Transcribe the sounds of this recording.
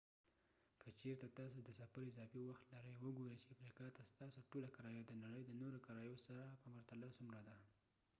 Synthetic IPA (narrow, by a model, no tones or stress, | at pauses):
kʰət͡ʃeɾt̪at̪ɑs̬od̪əsafaɾɪzɑfiwaxt̪laɾəjwəɡoɾət͡ʃeamɾikɑt̪ast̪ɑsoʈolakaɾɑjɑd̪ənaɽəjd̪ənoɾokaɾɑjosaɾapəmaɾt̪alasumɾad̪a